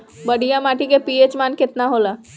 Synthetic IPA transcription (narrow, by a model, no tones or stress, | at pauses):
bəɽʱijamaʈʰikepiet͡ɕmanket̪naɦola